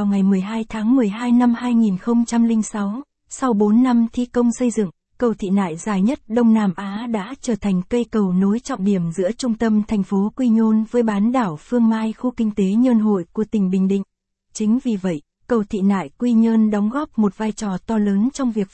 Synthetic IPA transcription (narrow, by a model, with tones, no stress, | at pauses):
a˨˩wŋa˨˩jmɨ˨˩əjɦaː˧jt̪ʰaː˨˦ŋmɨ˨˩əjɦaː˧jna˧mhaː˧jŋi˨˩nxə˧wŋ͡mt͡ɕa˧mlï˧ŋ̟sa˨˦w | sa˧wɓo˨˦nːa˧mt̪ʰi˧kə˧wŋ͡msə˧jzɨ̰˧˨ŋ | kə˨˩wt̪ʰḭ˧˨na̰ː˧˨jzaː˨˩jɲə˦˥t̚ɗə˧wŋ͡mnaː˧˩mʔaː˨˦ɗa̰ː˧˥t͡ɕəː˧˩t̪ʰa˨˩jŋ̟kə˧jkə˨˩wno˨˦jt͡ɕɔ̰˧˨ŋ͡mɗi˧˩əmzɨ̰˧˥ət͡ɕʊ˧ŋ͡mt̪ə˧mt̪ʰɛ˨˩jŋ̟fo˨˦kwi˧ɲo˧nvəː˨˦jɓaː˨˦nɗaː˧˩wfɨ˧əŋmaː˧jxu˧kï˧ŋ̟t̪e˨˦ɲəː˧nɦo̰˧˨jku˧˩ət̪ï˨˩ŋ̟ɓï˨˩ŋ̟ɗḭ̈˧˨ŋ̟ | t͡ɕï˨˦ŋ̟vi˨˩və̰˧˨j | kə˨˩wt̪ʰḭ˧˨na̰ː˧˨jkwi˧ɲəː˧nɗɔ˨˦wŋ͡mɣɔ˦˥p̚mo˨˩t̚vaː˧jt͡ɕɔ˨˩t̪ɔ˧ləː˨˦nt͡ɕɔ˧wŋ͡mvi˨˩ək̚